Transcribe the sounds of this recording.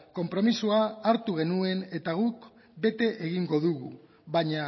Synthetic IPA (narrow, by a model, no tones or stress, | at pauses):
ko̞mpɾo̞misuaːɾt̪uɣ̞e̞nue̞ne̞t̪aɣuk | be̞t̪e̞ʔeɣiŋɡo̞ðuɣṵ | βaɲa